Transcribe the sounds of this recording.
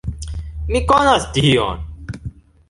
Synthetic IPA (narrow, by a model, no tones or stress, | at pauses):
mikonast̪iijo̰ːn